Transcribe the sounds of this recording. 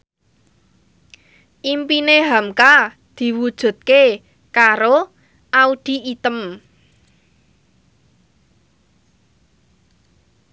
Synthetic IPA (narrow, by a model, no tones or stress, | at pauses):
ʔimpineɦamka | d̪̥i̤wud̥ʒ̥ṳt̪̚ke | kaɾo | ʔaud̪̥i̤it̪əm